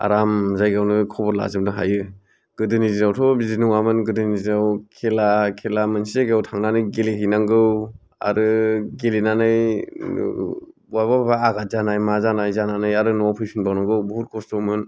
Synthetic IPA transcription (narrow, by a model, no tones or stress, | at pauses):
a̰ɾamzajɡawnɯkʰɔbɔɾla̰zɯmdɯɦajɯ | ɡ̥ɯdɯnizinawtʰɔbizinɯŋamɯnɡɯdɯnizinawkʰelakʰelamɯnsieɡewtʰaŋnanɯjɡeleɦinaŋɡɯw | a̰ɾɯɡelenanɯj | wajbababaaɡat̚zanajmazanajzananɯjaɾɯnɔpʰɯjpʰinbawnaŋɡɯwbuɦut̚kʰɔstɔmɯn